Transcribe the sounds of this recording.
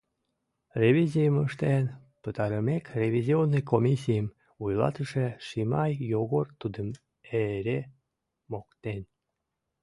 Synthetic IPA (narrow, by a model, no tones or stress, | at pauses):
rʲevʲizʲijəməʃt̪en | pət̪ɑɾəmekrʲevʲizʲionːəjkomʲisʲijəm | ujlɑ̰t̪əʃeʃimɑjjoɣort̪ud̪əm | eɾe | mokt̪en